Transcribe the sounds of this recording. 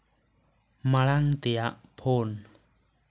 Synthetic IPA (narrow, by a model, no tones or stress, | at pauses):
maɭaŋt̪ɛjaʔpʰon